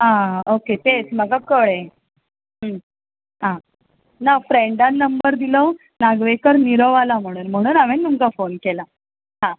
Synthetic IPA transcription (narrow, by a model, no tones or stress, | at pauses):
ɦãoket̪et͡sm̤əɡakəɭẽ | əm | ɦã | nafɾeɳɖanːəmbəɾd̪ilɔ | naɡʋekəɾniɾɔʋalam̤əɽ̃uːnm̤əɽ̃uːnaʋẽnt̪umkafonkɛla | ɦã